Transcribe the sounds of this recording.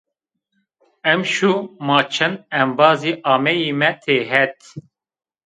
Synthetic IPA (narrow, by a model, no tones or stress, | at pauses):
ɛmʃumɑːt͡ʃʰɛnɛmbɑːziːʔɑːmɛjiːmɛt̪ʰeːɦɛt̪